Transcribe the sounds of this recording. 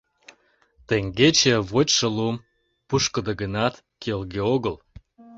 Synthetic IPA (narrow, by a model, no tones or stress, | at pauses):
t̪eŋɡet͡ɕeβot͡ɕʲʃə̆lum | puʃkə̆d̪əɡənɑt̪ | kelɣeoɣəl